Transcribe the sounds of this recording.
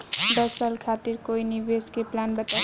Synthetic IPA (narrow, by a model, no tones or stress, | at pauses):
ɖ̪əsəlkʰat̪iɾkoinibeskeplanbət̪a